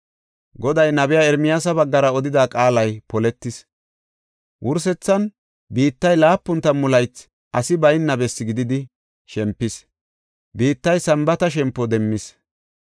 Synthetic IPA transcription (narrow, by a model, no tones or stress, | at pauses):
ɡɔd̪ɐjnɐbɪjaːɛɾmɪjaːsɐbɐɡːɐɾɐɔd̪ɪd̪aːkʼaːlɐjpɔlɛt̪ːɪs | wʔʊɾs̬ɛt͡sːɐn | biːt̪ːɐjlaːpːʊnt̪ːɐmʊlɐjt͡s | ʔɐsɪbɐjnːɐbɛsːɪɡɪd̪ɪd̪ɪ | ʃɛmpːɪs | biːt̪ːɐjsɐmbɐt̪ɐʃ̬ɛmpːɔd̪ɛmːɪs